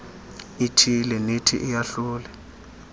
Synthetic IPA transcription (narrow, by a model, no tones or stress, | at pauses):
itʰilɛnetʰḭʔɪjaɬuːlɛ